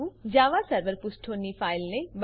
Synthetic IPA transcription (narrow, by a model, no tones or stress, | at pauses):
ud͡ʒaːʋasɐɾʋəɾpʊsʈʰoːnifʰaːɪlnẽb